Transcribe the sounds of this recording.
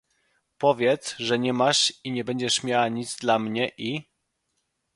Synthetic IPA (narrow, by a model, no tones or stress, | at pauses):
pɔvʲjɛt̪sʐɛɲɛmaʂiɲɛbɛɲd͡ʑɛʂmʲjawaɲid̪zd̪lamɲɛʔi